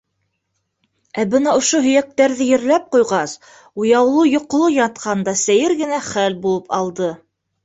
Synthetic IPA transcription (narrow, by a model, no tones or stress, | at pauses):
æbɤnɑŏʃoɦɵ̆jæk̚t̪æɾðɘjɘ̆ɾlæp̚qujʁɑs | ujɑwlˠɤjŏq̆lˠɤjɑt̪̚qʰɑnd̪ɑsæjɘɾɡɘ̆næχælbulˠɤpɑlˠd̪ɤ